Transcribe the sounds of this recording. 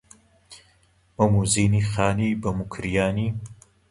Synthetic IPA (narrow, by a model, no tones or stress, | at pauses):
mɐmuziːniːxaːniːbɐmukʰɾijaːniː